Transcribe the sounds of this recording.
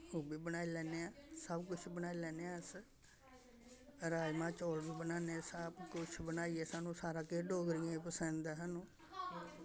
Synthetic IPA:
oːbiːbənaːiːlɛːneːãːsəbkʊt͡ʃʰbənaːiːlɛːneãːs | ɾaːjmãːt͡ʃoːlbiːbənaːnesəbkʊt͡ʃʰbənaːiɛːsaːnũːsaːɾaːkeːɖoːɡɾɪjãːepəsə̃nd̪aɦaːnũː

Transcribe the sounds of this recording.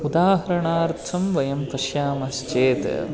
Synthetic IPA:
ud̪aːɦɐɾɐɳaːɾt̪ʰːɐmʋɐjɐmpɐʃjaːmɐst͡ʃeːt̪

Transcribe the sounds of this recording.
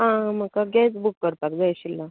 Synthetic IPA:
ɦãm̤əkaɡɛsbukːəɾpakd͡zajɕilːa

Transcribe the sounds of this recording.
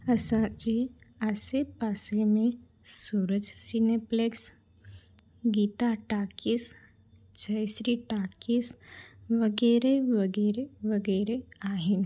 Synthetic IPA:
ɐsãd͡ʒeasepaːsemẽ | suːɾəd͡ʒsinepleks | ɡiːt̪aʈaːkis | d͡ʒɐjʃɾiʈaːkisʋɐɡɛːɾeʋɐɡɛːɾeʋɐɡɛːɾeaːɦin

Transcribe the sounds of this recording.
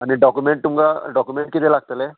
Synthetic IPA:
añiɖɔkumeɳʈ̚t̪umkaɖɔkumeɳʈ̚kit̪elaɡ̚t̪əle

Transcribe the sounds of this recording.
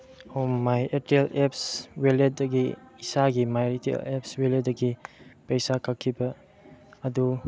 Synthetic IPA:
omajʔetielepsweledɐɡiːsaɡimajɾtiḛlḛp̚sweledɐɡipejsakʰakʰːibɐ | ɐdu

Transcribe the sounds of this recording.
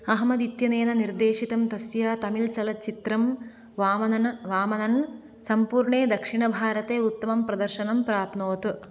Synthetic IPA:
ɐɦmɐd̪it̪jɐneːnɐniɾd̪eːʃit̪ɐmt̪ɐsjaːt̪ɐmilt͡ʃɐlɐt͡ʃit̪ɾɐm | ʋaːmɐnɐnɐʋaːmɐnɐn | sɐmpuːɾɳeːd̪ɐkʂiɳɐbʱaːɾɐt̪eːut̪ːɐmɐmpɾɐd̪ɐɾʃɐnɐmpɾaːpnoːt̪

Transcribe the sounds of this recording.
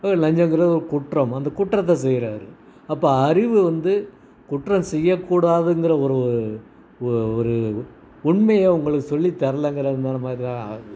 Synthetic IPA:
nɐɲd͡ʒɐ̃ŋɡɪɾɐːðɯɔɾɯkʊʈrɐmɐnd̪ɐkʊʈrɐt̪̬ːɐ̃s̬ɛjːɪɾaːɾɯ̰ɐpːoːɐɾɪʋɯʋɐnd̪ɯ | kʊʈrɐmsɛjːɐkːuːɽaːðɯŋɡɪɾɐɔɾɯ | ɔɾɯ | ʊɳmɐjeːʊŋɡɐɭɯkːɯsɔlːit̪ɐɾɐlɐŋɡɐɾɐðɯnd̪aːnɐmaːd̪ɾɪt̪ãː

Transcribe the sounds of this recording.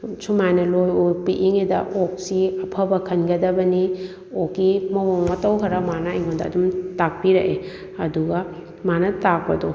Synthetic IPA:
sumajnɐlojopiʔiŋedɐ̰ʔok̚siɐpʰɐbɐkʰɐnɡɐdɐbɐni | okːimɐwoŋmɐtɐwɦɐɾɐmanɐɐjŋondɐːdumtak̚piɾɐʔe | ɐduɡɐ | manɐtak̚pɐdo

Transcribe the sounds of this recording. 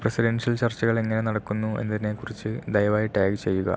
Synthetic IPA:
prɐsiɾɐnʂɐlt͡ɕɐrt͡ɕːɐɣɐɭe̞ŋːɐne̞nɐɽɐkːunːue̞̰nːɐðine̞kurit͡ɕːɨd̪ɐjɐʋaːjiʈːaːɡt͡ɕe̞jːuɣɐ̰

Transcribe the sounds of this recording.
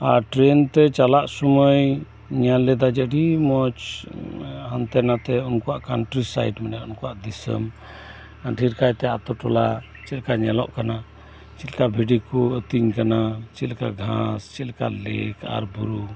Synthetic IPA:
aɾʈɾɛnt̪ɛt͡ʃalaʔsuməj | ɲalːɛd̪ad͡ʒəɖimɔt͡ʃ | hãnt̪ɛnat̪ɛunkɔwaʔkanʈɾisa̰jʈmɛnɛɔnkɔwaʔd̪isə̰m | aʈʰiɾkajt̪ɛat̪ɔʈɔla | t͡ʃilkaɲɛlɔ̰ʔkana | t͡ʃilkabʱiɖikɔət̪iɲkanat͡ʃilkaɡʱãst͡ʃilka̰lɛkʰa̰ɾbuɾu

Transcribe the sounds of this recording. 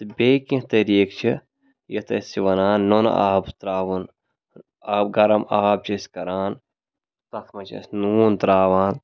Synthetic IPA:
t̪bʲekĩt̪ɐɾiːkt͡ʃʰi | jɐt̪ɐsiʋɐnaːnːon̰a̰ːbst̪ɾaːʋun | aːbɡɐɾɐmaːb̚t͡ʃʰɐskɐɾaːn | t̪ɐt̪ʰmɐt͡ʃʰɐ̰snuːnt̪ɾaːʋaːn

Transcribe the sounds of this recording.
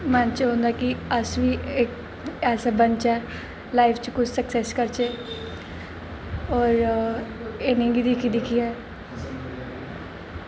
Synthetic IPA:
mɛnt͡ʃɦõːnd̪aːkiəsʋiːek | ɛːsaːbənt͡ʃɛː | laːɪpʰt͡ʃkʊt͡ʃʰsəksɛːskəɾt͡ʃeː | ɔːɾ | enẽɡid̪ɪkʰid̪ɪkʰiːɛː

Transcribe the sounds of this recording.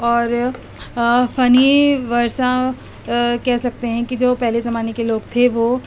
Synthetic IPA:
ɔːɾ | fɐniʋɐɾʃã | kɛɦsɐk̚t̪eɦɛ̃kid͡ʒoːpɛɦlezɐmaːnekeloːɡt̪ʰeʋo

